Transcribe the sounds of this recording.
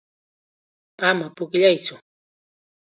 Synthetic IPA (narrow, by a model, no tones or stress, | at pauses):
amapʊkʎajsʊ